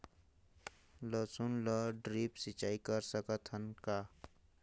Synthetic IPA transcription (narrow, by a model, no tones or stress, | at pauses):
ləsunlʌɖɾipsit͡ʃaikʌɾsəkət̪ʰənka